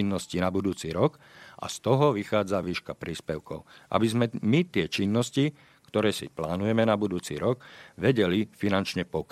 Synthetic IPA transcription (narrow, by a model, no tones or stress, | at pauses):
inːɔscinabud̪uːt͡siɾɔkʔa̰st̪ɔɦɔʋixaːd͡zaʋiːʃkapɾiːspɛʊkɔ̰ʊʔa̰bizmɛmit̪ɪɛt͡ʃinːɔsci | kt̪ɔɾɛːsḭplaːnujɛmɛnabud̪uːt͡sḭɾɔɡʋɛɟɛlifinant͡ʃɲɛpɔk